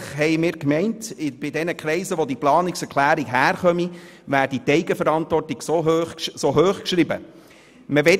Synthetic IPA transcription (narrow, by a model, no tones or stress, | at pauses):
χɦɛɪmɪːɾkmɛɪntɪb̥ɪdɛnəkχɾɛɪsəʋodiplɑːnɪksɛɾkʰlæːɾiɡɦæːɾχœmi | ʋæːɾditɛɪɡəfəɾɑntʋɔrtiɡsoøsoɦøːχkʃɾɪbə̰ | məʋɛ